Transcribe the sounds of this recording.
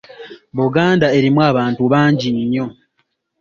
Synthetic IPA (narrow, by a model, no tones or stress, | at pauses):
βuɡaːndae̞ɾimwaːβaːntuβaːɲɟiɲːo̞